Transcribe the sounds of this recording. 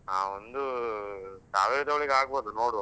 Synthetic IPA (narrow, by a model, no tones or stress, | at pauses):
aːond̪u | sa̰ːʋeɭit̪ɐʋɐɭiɡaːɡ̚boːd̪unoːɽ